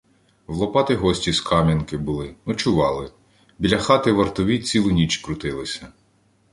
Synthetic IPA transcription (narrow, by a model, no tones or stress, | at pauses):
ʋlˠɔpɑt̪ɪɦɔsʲtʲiskʰɑmʲinkɪbʊlˠɪnɔt͡ʃʊʋɑlˠɪ | bʲilʲɐxɑt̪ɪʋɐrt̪ɔʋʲit͡sʲilˠʊnʲit͡ʃkɾʊt̪ɪlˠɪsʲɐ